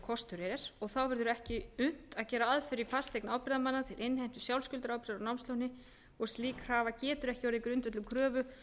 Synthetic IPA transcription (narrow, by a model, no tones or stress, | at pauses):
kʰɔst̪ʏɾɛɾɛɾ̥ɔɣθawvɛɾðʏɾʏɛhcɪʏn̥t̪aðcɛːɾaaðfɪɾifar̥st̪ejknaːwpɪðamanːat̪ʰɪlʔɪnːhejm̥t̪ʏ̥sjawlscʏlt̪ɾawpɾðaɾawnawmst̪ownɪ | ɔɣst̪liːkavacɛːt̪ʏɾɛhcɪɔɾðikɾʏnt̪vɛt̪lʏmkʰɾœːvʏ